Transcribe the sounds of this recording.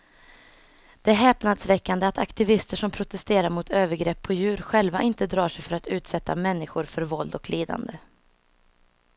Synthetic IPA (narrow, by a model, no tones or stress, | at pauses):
d̪̥ɛɦɛːpnad̪svɛkːand̪əat̪a̰kt̪ɪvɪst̪əʂɔmpʰɾʊt̪ɛst̪eːɾaɾmʊt̪ʰøːvəɾɡɾɛpʰːɔjʉ̟ːɾɧɛlvaʔɪnt̪əd̪ɾɑːʂɛjfœɾat̪ʉ̟ːt̪sɛt̪ːa̰mɛnːɪɧʊɾfœɾvɔld̪ɔkliːd̪a̰nd̪ə